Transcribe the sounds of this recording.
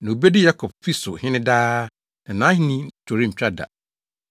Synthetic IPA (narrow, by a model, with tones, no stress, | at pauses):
nã˨u˨bɛ˦dɪ˦ja˦kʰɔ˨b̚fi˦sʊ˨hɪ̃˦nɪ̃˦daː˦ | nã˨nãː˨˦hĩ˦nĩ˦tʰo˨ɾi˦m̩˨t͡ɕᶣa˦da̰˨